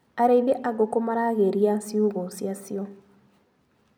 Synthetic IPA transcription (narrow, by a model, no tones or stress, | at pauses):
aɾeiðeʔaɡokomaɾaɣeɾiasiuɣosjasio